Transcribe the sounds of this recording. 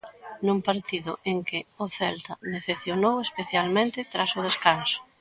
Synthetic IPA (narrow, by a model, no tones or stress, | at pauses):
numpaɾt̪iðʊ̰ʔeŋkɪʊθɛlt̪aneθeθjonowespeθjalmẽnt̪ɪt̪ɾasʊð̞eskansʊ̥